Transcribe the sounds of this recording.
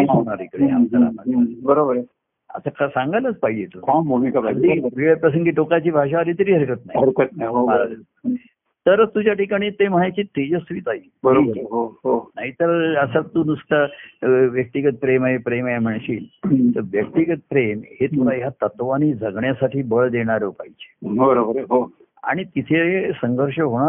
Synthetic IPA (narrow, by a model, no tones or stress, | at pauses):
anaɾikəɽia̰mtəɾa̰mədibəɾobəɾ | ə̰sakasãŋɡajlət͡spaɦid͡ʑet̪uambumikabad̪ibʱiɭjapɾəsəŋɡiːʈokat͡ɕiːbʱaɕ̬aəd̪it̪əɾiːɦəɾkət̪naɦiəɾkət̪̚naɦiɦomaɾad̪i | t̪əɾt̪ud͡ʑjaʈikaɽ̃iːt̪eməɦajt͡ɕiːt̪ed͡ʑəsʋiːt̪aɦi | bəɾobəɦoɦonaɦit̪əɾəsat̪ːuːnust̪aʋjək̚t̪iɡət̪̚pɾemaɦepɾemajam̤əɳɕiːlt̪əɾʋjək̚t̪iɡət̪̚pɾemhet̪ulajat̪ət̪ʋaniːd͡zʱəɡɳjasaʈʰiːbəɭd̪eɽ̃aɾʋpajt͡ɕe̥bəɾobəɾɦo | a̰ɽ̃it̪it̪ʰesəŋɡʱəɾʂəɦoɽ̃a